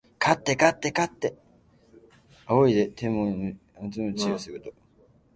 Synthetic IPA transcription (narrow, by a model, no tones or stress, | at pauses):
kʰat̪ːe̞kat̪ːe̞kat̪ːe | aoid̪et̪ʰẽmːoat͡sɨmot͡ɕiosɨɡɯt̪o